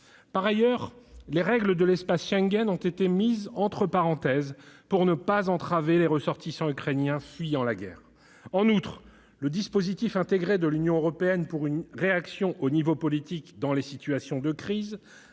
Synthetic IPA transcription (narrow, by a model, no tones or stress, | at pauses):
paʁajœʁleʁɛɡləd̪əlɛspasʃɛ̃ŋɡʲɛnɔ̃t̪et̪emizɑ̃t̪χəpaʁɑ̃t̪ɛzpuʁnəpazɑ̃t̪χaveleʁəsɔʁt̪isɑ̃ykχenjɛ̃sɥijɑ̃laɡʲɛ̰ːʁ | ɑ̃nut̪χ | ləd̪ispozit̪ifɛ̃t̪eɡʁed̪əlynjɔ̃øʁɔpeɛnpuʁynʁeaksjɔ̃ʔonivopɔlit̪ikd̪ɑ̃lesit̪ɥasjɔ̃d̪əkχiz